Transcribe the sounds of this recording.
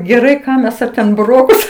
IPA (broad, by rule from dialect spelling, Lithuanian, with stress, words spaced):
ɡʲɛˈrɐɪ ˈkɑː mʲɛs ˈɐ tʲɛn bʊˈroːkʊs